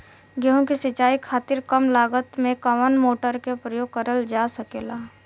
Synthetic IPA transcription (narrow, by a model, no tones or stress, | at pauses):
ɡeɦõkisɪt͡ʃaːikʰaːt̪ɪɾkəmlaːɡət̪mẽkəʋənmoːʈəɾkepɾəjoːɡ̚kəɾəld͡ʒasəkeːlaː